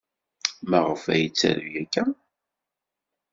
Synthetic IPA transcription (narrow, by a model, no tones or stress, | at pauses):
mæʁəfæjət͡sːæ̰ɾṵjækːæ